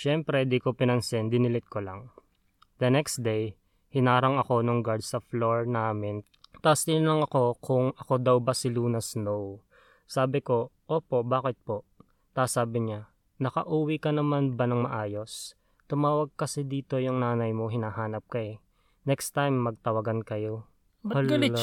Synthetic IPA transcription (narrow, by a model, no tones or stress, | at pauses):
ʃɛmpɾɛd̪ikopɪnɐnsɛnd̪ɪnɪlɪt̪̚kolɐŋ | d̪ɐnɛksd̪ej | hɪnaːɾɐŋɐko̞noŋɡaɹd̪sɐfloɹnaːmɪn | t̪asɪnnlɐŋɐko̞kʰʊŋɐko̞d̪ɐwbɐsɪluːnɐsnow | saːbɪko̞ʔo̞ːpo̞ʔbaːkɪt̪̚po̞ʔ | t̪aːsaːbɪɲa | nɐkɐʔuːwɪkɐnɐmanbɐnɐŋmɐʔaːjo̞s | t̪ʊmaːwɐɡ̚kɐsɛd̪iːt̪o̞jʊŋnaːnɐjmoɦɪnaːɦaːnɐp̚kɐɛ | nɛkst̪ajmːɐɡ̚t̪ɐwɐɡankɐjo̞ | ɡɐ